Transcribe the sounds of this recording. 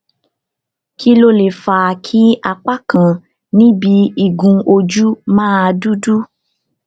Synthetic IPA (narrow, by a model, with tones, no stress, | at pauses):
kʰi˦lo˦le˨fa˨kʰi˦a˧k͡pa˦kã˨ | nĩ˦bi˨˧˦i˦˨ɡũ˧o˧d͡ʒu˦mãː˦a˧du˦du˦